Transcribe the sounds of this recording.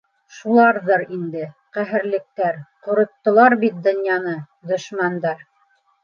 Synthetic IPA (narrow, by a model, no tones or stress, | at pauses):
ʃulˠɑɾðɤɾind̪ɘ | qæɦɘ̆ɾlɘ̆k̚t̪æɾqŏɾŏt̪ːɤ̆lˠɑɾbit̪̚d̪ŏnjɑnɤ | d̪ɵ̆ʃmænd̪ɑɾ